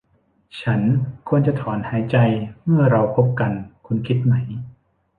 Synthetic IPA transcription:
t͡ɕʰa˦˥nkʰu˧ənt͡ɕa˨t̪ʰɔː˩˦nhaː˩˦jt͡ɕa˧jmɯ˥˩ɐɾa˧wpʰo˦˥p̚ka˧nkʰu˧nkʰi˦˥t̪̚ma˦˥j

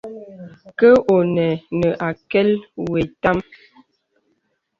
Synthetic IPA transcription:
kə˦ʔo˨nɛ˨nə˨ʔa˨kɛ˦lwe˨ta˦m

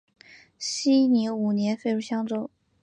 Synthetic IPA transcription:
ɕi˥ni˧˥u˨˩njɛ˧˥nfe˥˧ɪɻu˥˩ɕjɑ˥ŋʈ͡ʂo˥ʊ

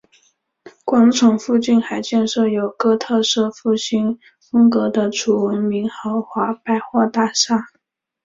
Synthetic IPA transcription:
kwɑ˧˥ŋt͡sʰʊ˨˩ŋfu˥˧t͡ɕi˥˩nxa˧˩ɪt͡ɕjɛ˥˧nʂɤ˥˩jo˨˩ʊkɤ˥t̪ʰɤ˥˧ʂɤ˥˧fu˥˩ɕi˥n | fɤ˥ŋkɤ˧˥d̪ə˧ʈ͡ʂʰu˨˩wə˧˥nmi˧˥ŋxɑ˧˥ʊxwa˧˥pa˥˧ɪxwɔ˥˧t̪a˥˧ʂa˥˩

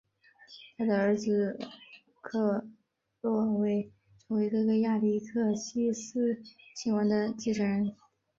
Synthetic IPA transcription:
t̪ʰa˥d̪ə˨ə˞˧˥d͡zɹ̩˧ | kʰɤ˥˩ | lwɔ˥˩we˧˥ɪ | t͡so˧˥we˥˧kɤ˥˧ɡə˥˧ja˥˩li˥˩kʰɤ˥˩ɕi˥sɹ̩˥˩t͡ɕʰi˧˥wɑ˧˥ŋd̪ə˧t͡ɕi˥˩ʈ͡ʂʰə˧˥ɻə˧˥n

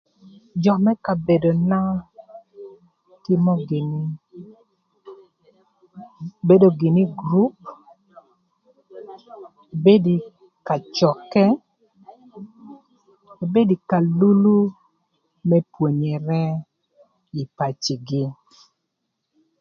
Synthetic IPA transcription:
d͡ʒɔ˨mɛ˦ka˨be˨do˨na˦ | tɪ˦mɔ˦ɡɪ˨ni˦ | be˦do˨ɡɪ˨ni˦ɡɾu˦p̚ | be˦di˨ | ka˨t͡ʃɔ˨kɛ˦˨ | be˦di˨ka˨lu˦lu˦ | mɛ˦pwo˨ɲe˨ɾɛ˦ | i˨pa˨t͡ʃi˨ɡɪ˦

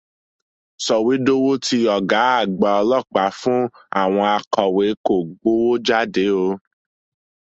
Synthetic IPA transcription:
sɔ˨wi˨˦do˦wo˦ti˧ɔ˨ɡa˨˦a˦˨ɡ͡ba˨ɔ˧lɔ˦˨k͡pa˨˦fũ˦ | a̰˦˨w̃ɔ̃˧a˧kɔ˨we˨˦ko˦˨ɡ͡bo˨˦wo˦d͡ʒa˦de˨˦o˧˦

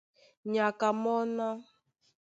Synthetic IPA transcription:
ɲa˨ka˨mɔ˦na˦

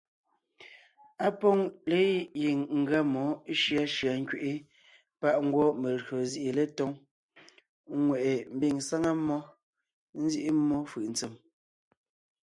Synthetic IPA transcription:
a˦pɔ˦ŋle˦ji˨ŋŋ̩˨ɡa˦mɔ˨˦ʃja˦ʃja˨ŋ̩˦kɥe˨ʔi˦ | pa˦˨ʔŋ̩˦ɡwɔ˦me˨ɾɰo˨zi˦ʔi˨le˦tɔ˦ŋ˦ | ŋwɛ˨ʔe˨m̩˦bi˦˨ŋsa˦ŋa˦mːɔ˦ | n̩˦zji˦ʔi˦mːɔ˦fɯ˨ʔn̩˨t͡se˨m

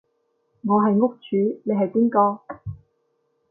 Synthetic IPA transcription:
ŋɔː˨˧ɦɐ˨jŋʊ˥k̚t͡ʃʰyː˨˥ne˨˧ɦɐ˨jpiː˥nkɔː˧

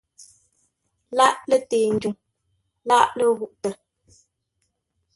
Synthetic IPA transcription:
la˦ʔlə˦˨teː˨n̩˨d͡ʒu˨ŋ | la˦ʔlə˦ɣu˦ʔtə˨

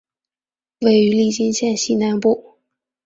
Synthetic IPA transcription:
we˥˩ɪy˧˥li˥˩t͡ɕi˥nɕjɛ˥˧nɕi˥˩na˧˥npu˥˩

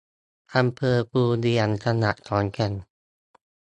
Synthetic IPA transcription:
ʔa˧mpʰɤː˧puː˧di˧ə˨˩nkʰa˧na˨˩ʔt̪ʰɔː˨˦nkʰa˧n

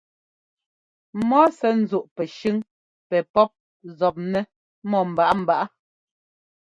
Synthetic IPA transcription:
mɔ˦sɛ˦n̩˨zu˦˨ʔpɛ˨ʃʉ˦ŋ | pɛ˨pɔ˦p̚ | zɔ˨p̚nɛ˦ | mɔ˦˨m̩˨ba˨ʔa˦m̩˨ba˨ʔa˦

